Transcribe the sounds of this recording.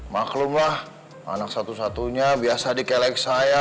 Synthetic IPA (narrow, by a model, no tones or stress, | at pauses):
maklʊmlah | a̰nak̚sat̪usat̪uɲabiasadikɛlaik̚saja